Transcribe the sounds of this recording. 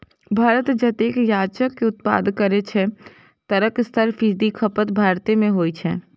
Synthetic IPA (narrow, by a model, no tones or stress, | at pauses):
bʱaːɾət̪d͡ʒɐt̪eːkjaːt͡ʃəkːeʊt̪̚pa̰ːd̪kɐɾet͡ʃʰe | t̪ɐɾəkst̪ʰəɾfiːd̪ikʰɐpət̪bʱaːɾt̪iemẽɦoːit͡ʃʰɛː